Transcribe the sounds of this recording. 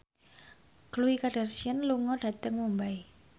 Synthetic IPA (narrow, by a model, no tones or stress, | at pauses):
kəluikaɖ̥arsiənluŋɔɖ̥a̤t̪əŋmumbaj